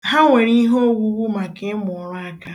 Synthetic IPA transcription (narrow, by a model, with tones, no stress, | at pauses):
ɦa˦ŋʷe˨ɾi˦ɦo˦wu˦wu˦ma˨ke˨˦mʊ˨ɾa˦ka˦